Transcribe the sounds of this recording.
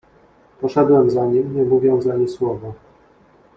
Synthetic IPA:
pɔʂɛd̪wɛmzaɲimɲɛmuvʲjɔwzaɲiswɔvɔ

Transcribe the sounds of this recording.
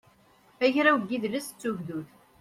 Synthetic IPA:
æçɾawɡiðlæst͡sːuʝðuθ

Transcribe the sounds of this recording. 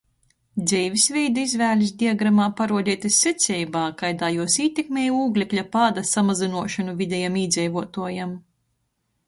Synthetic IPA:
d̪zɛjvʲisvɛjd̪uizvæːlʲis̬d̪iaɡɾamaːpaɾuɔd̪ʲiːt̪ʲisʲːet̪sʲɛjbaːkajd̪aːjuɔsiːt̪ʲekmʲeːjuːɡlʲɛklʲapad̪asamazinuɔʃanuvʲid̪ʲɛjamiːd̪zʲɛjvuɔt̪uɔjam

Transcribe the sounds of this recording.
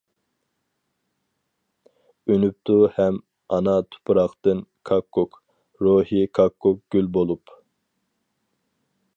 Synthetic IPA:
ønyp̚t̪ʰuhɛm | ɑ̰nɑt̪ʰu̥pʰɾɑχt̪ɨnkʰɑkʰːok | ɾohikʰɑkʰːok̚ɡ̥ʲylbolˠup

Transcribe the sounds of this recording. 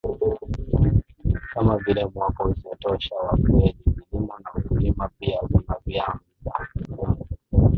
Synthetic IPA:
kamavilɛmwakɔuzɔtɔʃawakuɛlikilimɔnakulimapiaunavjam | za

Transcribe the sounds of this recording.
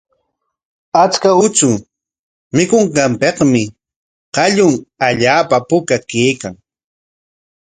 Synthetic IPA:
at͡ʃkaʊt͡sʊ | mɪkʊɴɢɑmpeqmɪ | qɑʎʊŋaʎaːpapʊkakeːkaŋ

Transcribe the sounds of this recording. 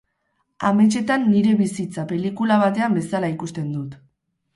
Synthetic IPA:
a̰me̞t͡ʃe̞t̪anːiɾe̞βisit͡sape̞likulaβ̞at̪e̞ambe̞salaikust̪e̞nd̪ut̪

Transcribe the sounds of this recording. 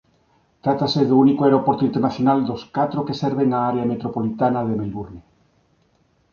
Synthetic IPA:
t̪ɾat̪aseðounikoeɾopoɾt̪oint̪eɾnaθjonald̪oskat̪ɾokeseɾβeŋaaɾeamet̪ɾopolit̪anað̞emelβuɾne

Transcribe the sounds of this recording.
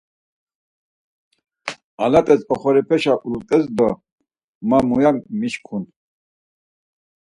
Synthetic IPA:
alat̪ʼɛsɔχɔɾɛpʰɛʃaʔulut̪ʼɛzd̪ɔ | mamujammiʃkʰun

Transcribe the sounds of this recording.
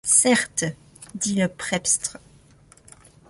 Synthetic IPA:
sɛʁt̪ | d̪iləpχɛpst̪χ

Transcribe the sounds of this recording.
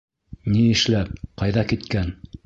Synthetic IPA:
niɘ̆ʃlæp̚qɑjðɑkit̪kæn

